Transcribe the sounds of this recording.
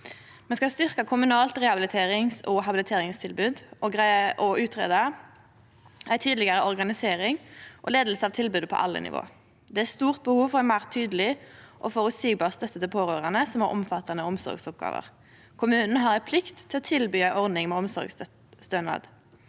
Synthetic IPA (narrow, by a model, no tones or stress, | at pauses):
mɛnskɑst̪ʏʁkɑkʰʊmʉnɑːlt̪ʁɛhɑbɪlɪt̪ʰeːʁɪŋsɔɦɑbɪlɪt̪ʰeːʁɪŋst̪ʰɪlbʉːd̪ʔɔɡʁæɪəʔɔʉːt̪ʰʁḛːd̪ɑ | æɪt̪ʰyːd̪lɪɡəʁəʔɔʁɡɑnɪseːʁɪŋʔɔ̰leːd̪əlsəɑʋt̪ʰɪlbʉːd̪pʰɔ̰ʔɑ̰lːə̰nɪ̰ʋʔo̰ː | d̪ɛæst̪uːʁt̪̚bəhuːʋfɔʁæmæːʁt̪ʰyːd̪əlɪʔɔfɔʁʉt̪siːɡ̚bɑːʁst̪œt̪ːət̪ɪpʰoːʁøːʁɑnəsɔmhæ̰ʁʔɔ̰mfɑt̪ʰɑnəɔmsɔ̰ʁɡsʊp̚ɡɑ̰ːʋə̰ʁ | kʰʊmʉːnn̩ɦɑːʁæɪpʰlɪkt̪ʰːɪlɔt̪ʰɪlbyːæɪʔɔʁd̪nɪŋmɛːɔmsɔ̰ʁɡs | st̪ønʋɑ̰ːd̪